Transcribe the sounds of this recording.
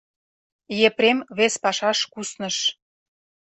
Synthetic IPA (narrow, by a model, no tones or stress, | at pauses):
jeprʲemβespɑʃɑʃkusnə̆ʃ